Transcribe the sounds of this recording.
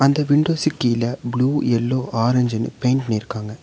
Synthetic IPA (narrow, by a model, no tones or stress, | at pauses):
ɐnd̪ɐʋɪɳɖoːsɪkːɯjɪlɐbluːɛlːoːʔaːɾɐɲd͡ʒɐnɯ̰peɪnpɐnɪɾɯkːaːŋɡɐ